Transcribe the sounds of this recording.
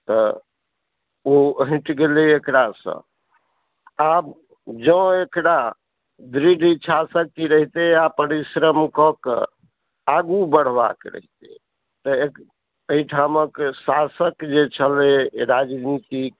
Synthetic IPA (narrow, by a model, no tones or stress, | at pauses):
t̪ɔ | oəɦĩʈɡeleekɽasə̰̃ | ab | d͡ʒə̃ekɽa | d̪ɾiɖʱit͡ʃʰasəkːiɾəɦit̪eapəɾisɾəmkɔkḛ | aɡubəɽ̤ba̰kɾə̰ɦit̪ḛ | t̪əek | əiʈʰaməksasəkd͡ʒet͡ʃʰəleɾad͡ʒnit̪ik̚